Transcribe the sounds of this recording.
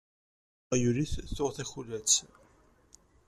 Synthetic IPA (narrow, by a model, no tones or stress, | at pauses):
juliθθʊʁθæçulæt͡s